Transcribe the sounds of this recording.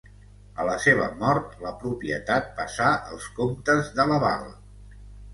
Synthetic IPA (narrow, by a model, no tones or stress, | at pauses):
ələseβ̞əmɔɾt̪ləpɾupiə̰t̪at̪̚pəsaʔəlˠskomt̪əzðələβa̰l